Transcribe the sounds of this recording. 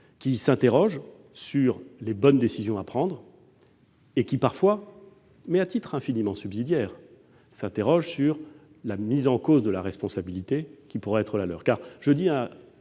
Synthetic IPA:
kʲisɛ̃t̪eʁɔʒ | syʁlebɔnd̪esizjɔ̃apχɑ̃d̪ʁ | ekʲipaʁfwa | mɛat̪it̪χɛ̃finimɑ̃sybzid̪jɛːʁ | sɛ̃t̪eʁɔʒsyʁ | lamizɑ̃kozd̪əlaʁɛspɔ̃sabilit̪ekʲipuʁɛɛt̪χəlalœ̰ːʁkaʁʒ̥əd̪iɛ̃

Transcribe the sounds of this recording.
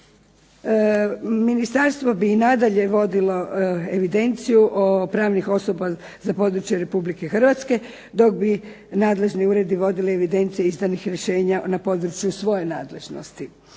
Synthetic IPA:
minist̪aɾst̪ʋo̞biːnad̪aʎe̞ʋo̞d̪ilo̞eʋid̪e̞nt̪sijuʔopɾaːʋnixo̞so̞ba | zapo̞d̪ɾut͡ɕjeɾe̞publike̞xr̩ʋat̪ske̞ | d̪o̞ɡ̚bi | naːd̪le̞ʒniuːɾe̞d̪iʋo̞d̪ilieʋid̪e̞nt̪sijeizd̪anixɾjeʃe̞ːɲanapo̞ːd̪ɾut͡ʃjusʋo̞je̞naːd̪le̞ʒno̰st̪i

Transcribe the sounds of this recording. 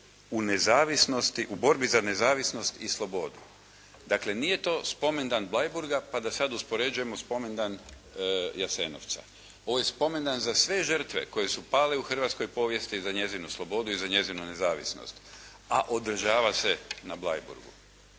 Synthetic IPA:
unezaːʋisno̞st̪iʔubo̞ɾbizane̞zaːʋisno̞st̪islˠo̞bo̞d̪u | d̪aːkle̞nije̞t̪o̞ːspo̞me̞nd̪anblˠajbuɾɡapad̪asad̪uspo̞ɾe̞d͡ʒuje̞mo̞spo̞me̞nd̪an | jaseno̰ʋt̪sa̰ | o̞ʋoje̞spo̞me̞nd̪anzasʋe̞ʒər̩t̪ʋe̞̰ko̞je̞supaːleuxr̩ʋaːt̪sko̞jpo̞ːʋje̞st̪izaɲe̞zinuslˠo̞bo̞d̪uizaɲe̞zinune̞zaːʋḭsno̰st̪ | aʔod̪r̩ʒaːʋasenablˠa̰jbṵɾɡṵ

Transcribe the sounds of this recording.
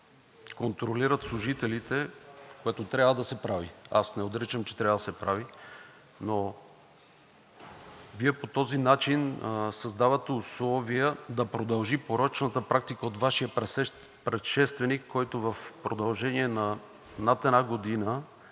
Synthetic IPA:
kont̪ɾoliɾət̪slˠʊʒit̪ɛlit̪ɛkoɛt̪ot̪ɾʲavəd̪ɐsɛpɾaviasnɛod̪ɾɛt͡ʃəmt͡ʃɛ̥t̪ɾʲavəd̪ɐsɛpɾavi | no | viɛpot̪ɔzinat͡ʃinsɐzd̪avət̪ɛuslˠɔvijəd̪ɐpɾod̪ɐlˠʒipoɾɔt͡ʃnət̪əpɾak̚t̪ikəot̪vaʃijəp | pɾɛt̪ʃɛst̪vɛnikʰːɔjt̪ovɐfpɾod̪ɐlˠʒɛniɛnɐ | nat̪ɛnaɡod̪inə

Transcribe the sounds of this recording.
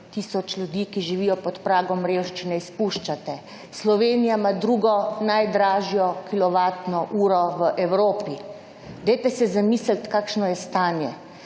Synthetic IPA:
t̪iːsɔt͡ʃlʲjud̪iːkiʒiʋiːjɔpɔt̪pɾaːɡɔmɾewʃt͡ʃinɛispuʃt͡ʃat̪ɛ | slɔʋenijamad̪ɾuɡɔnajd̪ɾaːʒijɔkilɔʋat̪nɔʔuːɾɔʋəʔɛwɾoːpi | d̪ɛjt̪ɛsɛzamiːslt̪kaːkʃnɔjɛst̪aːnjɛ

